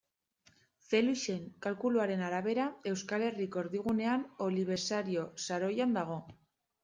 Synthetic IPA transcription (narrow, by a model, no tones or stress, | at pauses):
fe̞luʃe̞ŋkalkuluaɾe̞naɾaβe̞ɾae̞wskale̞riko̞ɾðiɣ̞une̞ano̞liβ̞e̞ɾsaɾio̞saɾo̞jand̪aɣ̞o̞